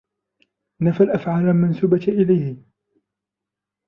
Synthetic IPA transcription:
nafalʔafʕaːlalmansuːbaʔɪlajhɪ

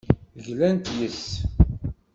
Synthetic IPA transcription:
ʝlænt̪jəs

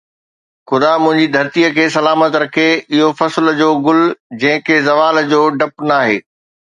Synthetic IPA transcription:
xʊd̪amʊ̃ɦɪ̃ɲd͡ʑid̪ʱɐɾt̪ijəkʰeːsɐlaːmət̪ɾɐkʰeɪɦofɐsl̆d͡ʑoːɡʊld͡ʑɐ̃ɦɪ̃kʰezɐʋaːld͡ʑoːɖɐpnaːɦeː

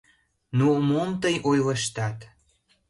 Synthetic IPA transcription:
numomt̪əjʔojləʃt̪ɑt̪

